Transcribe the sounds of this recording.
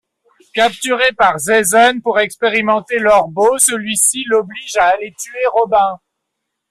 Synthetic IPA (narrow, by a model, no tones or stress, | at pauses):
kap̚t̪yʁepaʁzɛzɔnpuʁɛkspeʁimɑ̃t̪elœʁbosəlɥisilɔbliʒaːlet̪yeʁɔbɛ̃